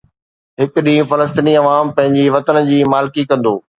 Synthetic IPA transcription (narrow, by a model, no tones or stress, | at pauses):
ɦɪkʊɗĩːũfɐləs̬t̪iniɐʋaːmpɐ̃ɦɪ̃ɲd͡ʑiʋɐt̪ənd͡ʑiːmaːlɪkikɐ̃nd̪oː